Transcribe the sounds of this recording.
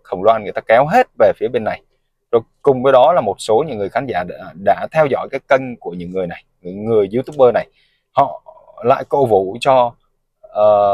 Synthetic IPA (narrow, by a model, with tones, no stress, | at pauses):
xə˨˩wŋ͡mlwa˧nŋ˨˩ət̪aː˧kɛ˨˦wɦe˦˥t̚ve˨˩fi˨˦əɓe˧nːa˨˩j | zo˨˩jkʊ˨˩ŋ͡mvəː˨˦jɗɔ˨˦laː˨˩mo˨˩t̚so˨˦ɲɨ̰˧˥ŋːɨ˨˩əjxaː˨˦nza̰ː˧˩ɗa̰ː˧˥t̪ʰɛ˧wzɔ̰˧˨jkaː˨˦jkə˧nku˧˩əɲɨ̰˧˥ŋːɨ˨˩əjna˨˩jŋɨ˧˥ŋːɨ˨˩əjzɨ˨˦wt̪ʊ˦˥k͡p̚ɓəː˧na˨˩j | hɔ̰˧˨ | la̰ː˧˨jko̰˧˨vṵ˧˨t͡ɕɔ˧ | ʔəː˨˩